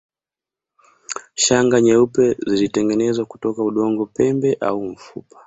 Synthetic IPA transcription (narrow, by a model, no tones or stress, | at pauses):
ʃaŋɡaɲɛupɛzilitɛŋɡɛnɛzwaku̥tɔkauɗɔŋɡɔpɛmbɛʔa̰uɱ̩fṵpḁ